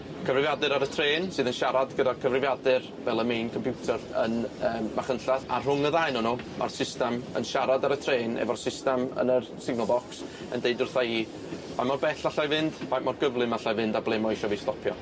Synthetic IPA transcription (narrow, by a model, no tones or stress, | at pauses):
kʰəvrɪvjadɨɾaɾətʰreːnsɨːðənʃaɾadɡədakʰəvrɪvjadɨr | vɛlˠəmejnkʰɔmpʰjutʰərənəːmmaχənɬaθa̰rr̥ʊŋəðajnɔnumʔa̰rsɪstɛmə̰nʃaɾadaɾətʰreːnɛ̰vɔrsɪstɛmə̰nərsɪɡ̚nɔlˠbɔks | ə̰ndejdʊrθai | bajmɔrbɛɬaɬajvɪnd̥vajmɔrɡəvlˠɨmaɬavɪndablˠɛmɔʃɔvistɔpʰjɔ̰